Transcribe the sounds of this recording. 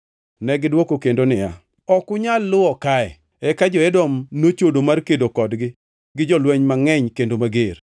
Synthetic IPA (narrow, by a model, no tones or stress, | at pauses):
nɛɡɪdwokokendonɪja | ɔkʊɲalːʊɔkaɛ̰ | ɛkad͡ʒɔɛdɔmnot͡ʃodomarkedokɔdɡɪ | ɡɪd͡ʒɔlwɛɲmaŋɛɲkendomaɡer